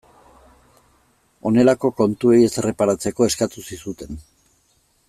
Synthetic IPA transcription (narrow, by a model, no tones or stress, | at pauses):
o̞ne̞lako̞ko̞nt̪ue̞je̞sere̞paɾat͡se̞ko̞e̞skat̪usisut̪e̞n